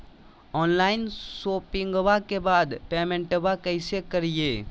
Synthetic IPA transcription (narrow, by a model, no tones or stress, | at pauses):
ɔːnlaːɪnsoːpɪ̃ŋɡʋakebaːd̪peːmẽɳʈəʋakəɪsekəɾijeː